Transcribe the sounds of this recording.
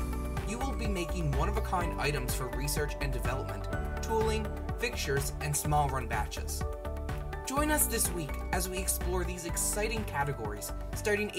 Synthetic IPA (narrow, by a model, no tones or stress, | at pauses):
jɨwɪlˠbimeɪkɪ̃ŋwʌ̃nʌvəkʰãɪ̃ndʌa̰ɪɾɨ̃mz̥fə˞ɹisɜ˞t͡ʃɨ̃ndɨvɛlˠəp̚mə̰̃ntʰ | ulˠɪ̃ŋ | fɪk̚ʃə˞zʔɨ̃nsmɔlˠɹʌ̃nbæt͡ʃɨ̰z̥ | d̥ʒ̥ɔ̃ɪ̃nʌsðɪswikɨzwiɨksplɔɹðizɨksaɪɾɪ̃ŋkʰæɾɨɡɔɹḭz̥ | stɑɹɾɪ̃ŋ